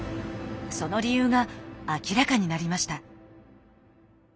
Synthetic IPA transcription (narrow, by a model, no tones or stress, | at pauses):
so̞no̞ɾʲijɯːɡaːkʲiɾakaɲ̟inaɾʲimaɕi̥t̪a